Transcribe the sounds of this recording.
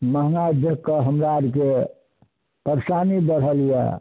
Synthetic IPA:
məɦnad̪ʱəkːəɦəmɾaɾke | pəɾsanid̪əɾɦəlija̰

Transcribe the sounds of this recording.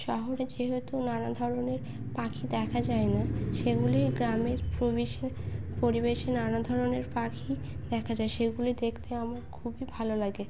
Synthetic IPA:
ʃɔɦoɾed͡ʑeɦet̪unanad̪ʱɔɾoneɾ | pakʰid̪ɛkʰad͡ʑaenaʃeɡuliɡɾameɾpobiʃpoɾibeʃenanad̪ʱɔɾoneɾpakʰi | d̪ɛkʰad͡ʑaeʃeɡulid̪ekʰt̪eamaɾkʰubibʱalolaɡe

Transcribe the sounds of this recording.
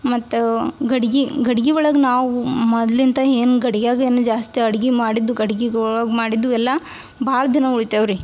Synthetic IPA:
mɐt̪ːɡɐɽiɡiɡɐɽiɡiʋɐɭɐɡnaːʋumɔd̪lint̪ɐeːnuɡɐɽiɡjaːɡeːnud͡ʒaːst̪iɐɽiɡimaːɽid̪ːuɡɐɽiɡiɡɔɭɐɡmaːɽid̪ːuɛlːɐ | bʱaːɭɐd̪inɐuɭit̪eʋɾi

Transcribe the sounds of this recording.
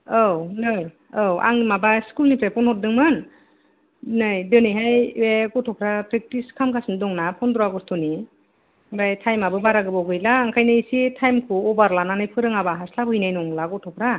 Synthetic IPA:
ownɯj | owʔa̰ŋimabaskulnipʰɾapɔnhɔt̚dɯŋmɯn | nɯjdɯnɯjɦajeɡɔtʰɔpʰɾapɾek̚tiskʰamkʰasindɔŋnapʰɔnd̪uaɡɔstʰuni | bajtʰajmabɯbaɾaɡɯbaɡɯjlaːŋkʰajnɯisitʰajmkʰuɔbaɾlananɯjpʰɯɾɯŋabaɦaslabɯhɯjnajnɔŋlaɡɔtʰɔpʰɾa

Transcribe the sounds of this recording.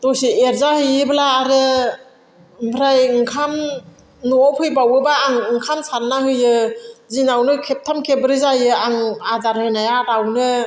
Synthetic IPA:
dɔsieɾzahɯjɯblaːɾɯ | bʰɾajŋkʰam | nuɔpʰɯjbawɯbaːŋɯŋkʰamsanːahɯjɯzinawnɯkʰep̚tʰamkʰebɯɾɯzajɯaŋadaɾhɯnajaɾawnɯ

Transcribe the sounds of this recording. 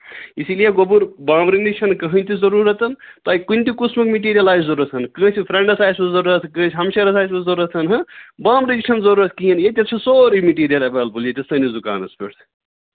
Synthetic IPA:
isilijeɡobuɾbãːmɾinit͡ʃʰɐnkɐɦɐ̃nʲt̪ʰizɐɾuːɾɐt̪ɐnt̪ɐːikunʲt̪ikusmɐkmiʈ̬iːɾijɐlaːjzzɐɾuɐt̪ʰɦɐnkɐɦɨ̃sʰipʰɾeɳɖɐsaːjsbɐzɐɾuɾɐt̪ʰkɐnʰɦɐmʃɐɾɐsaːjsmɐzɐɾuɐt̪ʰɐnɦɐbãːmɾinit͡ʃʰɐnzɐɾuːɾɐt̪ʰkijɐnjet̪ʲeɐsoːɾimiʈiːɾijɐlɐbɐlbuljet̪ʲɐsɐnizuka̰ːnɐspḛɽt̪ʰ

